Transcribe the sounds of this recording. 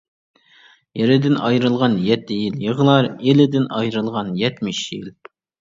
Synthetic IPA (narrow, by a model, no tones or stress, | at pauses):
jɛɾɪd̪ɪnɑjɾɨlˠʁɑnjɛt̪ːɪjiljəʁlˠɑɾelɪd̪ɪnɑjɾɨlˠʁɑnjɛt̪mɪʃjil